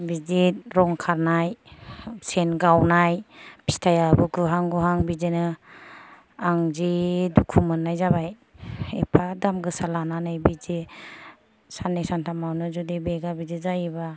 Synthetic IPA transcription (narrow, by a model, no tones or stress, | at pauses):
bid͡ʒit̚ɾɔŋkʰaɾnaj | senɡawnajbi̥stʰajabukʰuɦaŋɡuɦaŋbizinɯ | aŋzidukʰumɯnːajzabaj | ḛpʰadamɡɯsalananajbid͡ʒi | sanːesantʰamawnɯzudibeɡabid͡ʒizajba